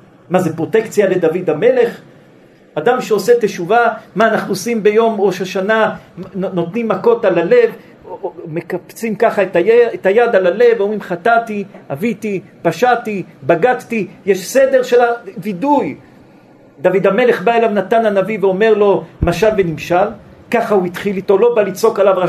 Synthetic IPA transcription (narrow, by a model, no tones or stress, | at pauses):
mazepʁo̞t̪ekt͡sjale̞d̪avid̪ame̞le̞χ | ad̪amʃeo̞se̞t̪eʃuvamaːnaχnuosimbe̞jo̞mʁoʃaʃana | no̞t̪nimːako̞talale̞v | me̞kapt͡simkaχaetajet̪ajad̪alale̞vomʁimχat̪at̪iavit̪i | paʃat̪ibaɡadt̪ijeʃse̞de̞ʁʃelaviduj | d̪avid̪ame̞le̞χbae̞lavnat̪ananaviveo̞me̞ʁlo̞maʃalve̞nimʃal | kaχauit̪χilit̪o̞lo̞balit͡so̞kalava